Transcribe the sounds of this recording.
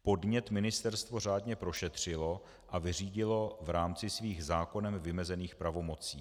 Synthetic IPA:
po̞dɲɛt̪mɪnɪst̪ɛɾst̪vo̞r̝aːdɲɛpɾo̞ʃɛt̪r̝̥ɪlo̞ | ʔavɪriːɟɪlo̞vɾaːmt͡sɪsviːɣzaːko̞nɛmvɪmɛzɛniːxpɾavo̞mo̞t͡siː

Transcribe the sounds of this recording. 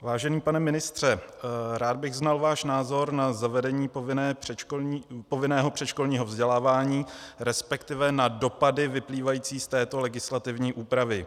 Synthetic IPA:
vaːʒɛniːpanɛmɪnɪst̪r̝̥ɛɾaːd̪̚bɪɣznalvaːʃnaːzo̞ɾnazavɛdɛɲiːvɪnɛː | povɪnɛːɦo̞pr̝̥ɛt͡ʃkolɲiːɦovzɟɛlaːvaːɲiːɾɛspɛkt̪ɪvɛnado̞padɪvɪpliːvajiːt͡siːst̪ɛːt̪o̞lɛɡɪslat̪ɪvɲiːʔuːpɾavɪ

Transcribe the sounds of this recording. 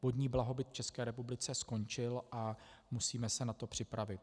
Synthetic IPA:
vod̪ɲiːblaɦo̞bɪt̪ft͡ʃɛskɛːɾɛpublɪt͡sɛsko̞ɲt͡ʃɪlʔamusiːmɛsɛnat̪o̞pr̝̥ɪpɾavɪt̪̚

